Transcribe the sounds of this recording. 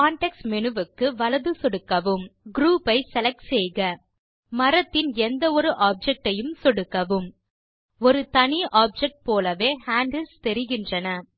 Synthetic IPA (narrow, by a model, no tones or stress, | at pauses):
kaːɳʈɛksmɛnɯʋɯkːɯʋɐlɐðɯsɔɽɯkːɐʋɯmɡɾuːpɐɪsɛlɐksɛjɣɐ | mɐɾɐt̪ːɪnɛnd̪ɐɔɾɯʔaːp̚d͡ʒɛk̚ʈɐjɯmsɔɽɯkːɐʋɯm | ɔɾɯt̪ɐɳiʔaːp̚d͡ʒɛk̚ʈ̚poːlɐʋeːhaːɳɖɐlst̪ɛɾɪɣɪndrɐnɐ